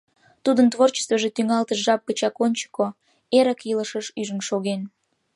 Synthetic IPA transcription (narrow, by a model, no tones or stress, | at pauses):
t̪ud̪ənt̪βort͡ɕə̥st̪vəʒet̪yŋɑlt̪əʃʒɑp̚kət͡ɕɑkonʲt͡ɕə̥kːo | eɾəkiləʃəʃyʒənʃoɣen